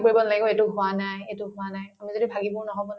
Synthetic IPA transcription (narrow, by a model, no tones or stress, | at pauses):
koɹibɔnalaɡikɔetʊɦʊanajetʊɦʊanajamizodibʱaɡibɔnɔɦɔbɔn